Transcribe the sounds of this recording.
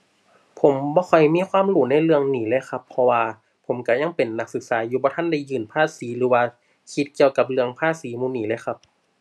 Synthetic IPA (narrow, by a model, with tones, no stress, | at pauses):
pʰo˨˦mbɔː˧˦kɔ˨˩jmiː˧˥˨xʰwaː˧˥˨mluː˧˩na˧˥˩jlɯ˧əŋniː˩˦lɤː˧˥˨jxʰa˧˥pʰːɔ˧waː˧ | pʰo˨˩˦mka˧˩ja˧˥˨ŋpe˨˩nːa˧˥k̚sɯ˨˧˦k̚saː˨˦juː˧˦bɔː˧˦t̪ʰa˧˥˨nda˧˩jːɯː˧˩˨npʰaː˥˨siː˨˦lɯː˨˦waː˧ | kʰi˧˦t̪̚ki˧əwka˧˦p̚lɯ˧əŋpʰaː˧˥˨siː˨˦muː˧˨niː˨˦lɤː˧˥˨jka˧˦p̚